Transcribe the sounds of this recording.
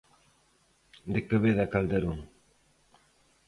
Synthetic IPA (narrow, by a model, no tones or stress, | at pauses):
d̪ekəβeðakald̪eɾuŋ